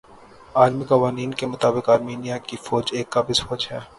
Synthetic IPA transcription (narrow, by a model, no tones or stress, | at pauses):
aːlmikɐʋaːniːnkemʊt̪aːbɪkaːɾmiːnijakifɔːd͡ʒeːkːabɪsfɔːd͡ʒɦɛː